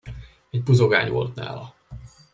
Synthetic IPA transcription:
ɛɟbuzoɡaːɲʋo̞̰lt̪na̰ːlɒ

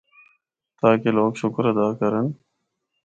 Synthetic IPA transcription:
t̪aːkeloːɡɕʊkɾɐd̪aːkɐɾən

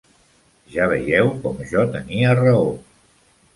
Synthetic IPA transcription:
ʒaβ̞ə̰jɛwkɔmʒɔt̪əniərəo

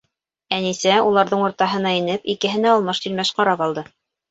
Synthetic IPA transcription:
ænisæulˠɑɾðɤɴŭɾt̪ɑɦɤ̆nɑinɘpikɘ̆ɦɘ̆næːlˠmɤʃt̪ɵlmæʃqɑɾɑpɑlˠd̪ɤ

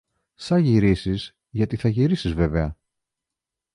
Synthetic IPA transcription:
sɐʝiɾisiz | ʝɐt̪iθɐʝiɾisizve̞veɐ

